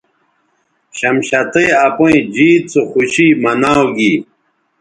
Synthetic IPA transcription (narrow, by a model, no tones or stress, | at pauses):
ɕɐmɕɐt̪eːɐpoĩd͡ʑiːt͡soxuɕimɐnaːwɡi